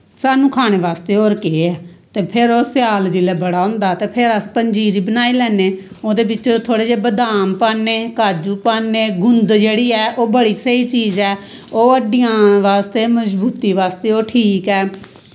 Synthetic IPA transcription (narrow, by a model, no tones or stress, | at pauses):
saːnũːkʰaːɽ̃eːʋaːst̪eːoːɾkeːɛː | t̪eːpʰɪɾoːsɪjaːld͡ʒɪlɛːbəɽaːɦʊ̃ːnd̪aːt̪eːpʰɪɾəspəɲd͡ʒiːɾiːbənaːiːlɛːneː | oːd̪eːbɪt͡ʃt̪ʰoːɽeːd͡ʒeːbəd̪aːmpaːneːkaːd͡ʒuːpaːnːeːɡʊnd̪d͡ʒeːɽiːɛːʔoːbəɽiːsəiːt͡ʃiːzɛː | oːəɖɪjãːʋaːst̪eːməzbuːt̪iːʋaːst̪eːoːʈʰiːkɛː